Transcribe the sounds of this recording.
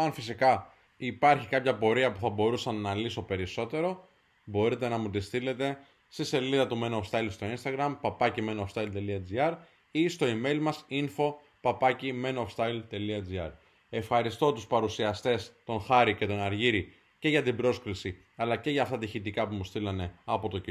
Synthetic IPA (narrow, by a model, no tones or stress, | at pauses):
ɐnfisikɐ | ipɐɾçikɐpçɐpo̞ɾiɐpuθɐbo̞ɾusɐnːɐliso̞pe̞ɾiso̞t̪e̞ɾo̞ | bo̞ɾit̪e̞nɐmut̪ist̪ile̞t̪e̞ | st̪ise̞liðɐt̪umenofst̪ɐilst̪o̞inst̪ɐɣɾɐmpɐpɐcimenofst̪ɐilt̪e̞liɐd͡ziɐɾ | ist̪o̞ime̞ilmɐsinfo̞ | pɐpɐcimenofst̪ɐilt̪e̞liɐd͡ziɐɾ | e̞fxɐɾist̪o̞t̪uspɐɾusiɐst̪e̞st̪o̞nxɐɾice̞t̪o̞nɐɾʝiɾi | ce̞ʝɐt̪ibɾo̞skɾisi | ɐlɐce̞ʝɐːft̪ɐt̪içit̪ikɐpumust̪ilɐne̞ɐpo̞t̪o̞